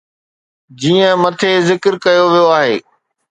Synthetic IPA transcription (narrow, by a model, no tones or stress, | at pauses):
d͡ʑiːə̃mɐt̪ʰezɪkɾkɐjoʋijoaːɦeː